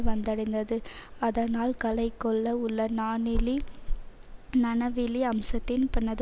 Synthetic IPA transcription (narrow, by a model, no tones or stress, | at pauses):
ʋɐnd̪ɐɽɐɪnd̪ɐðɯɐðɐnaːlkɐlɐɪkːɔɭːɐʊɭːɐnaːnɪli | nɐnɐʋɪliɐmsɐt̪ːɪnpɪnːɐðɯ